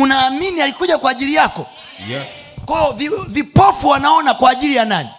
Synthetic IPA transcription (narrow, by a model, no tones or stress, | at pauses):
unaːminialikuʄakwaːʄilijakɔ | kwɔjɔvivipɔfuwanaɔnakwaːʄilijanani